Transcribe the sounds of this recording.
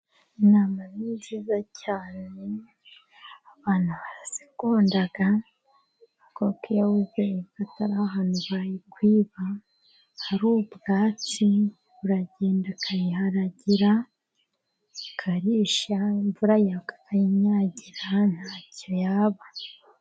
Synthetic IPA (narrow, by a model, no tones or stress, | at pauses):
inaːmaniziːzacaːne | aβaːn̥huβasi̥koːndaɡa | kokijahuzekataɾaɦaːnuβajikwiːβa | hːɾuːbɡaːti | βuɾaɟeːndakʰajihaɾaɟiɾa | kʰaɾiːʃaiɱvuɾajakḁkʰajiɲɲaːɟiɾan̥haːcojaːβa